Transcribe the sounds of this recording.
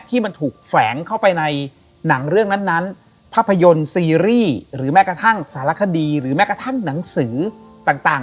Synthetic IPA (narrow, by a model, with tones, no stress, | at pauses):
t̪ʰiː˥˩ma˧nt̪ʰuː˨˩k̚fɛː˩˦ŋkʰa˥˩wpa˧jna˧j | na˩˦ŋɾɯ˥˩əŋna˦˥nːa˦˥n | pʰaː˥˩pʰːa˧jo˧nsiː˧ɾiː˥˩ɾɯː˩˦mɛː˦˥kɾa˧t̪ʰa˥˩ŋsaː˩˦ɾla˦˥kʰa˧diː˧ɾɯː˩˦mɛː˦˥ka˧t̪ʰa˥˩ŋna˩˦ŋsɯː˩˦ | t̪aː˨˩ŋt̪aː˨˩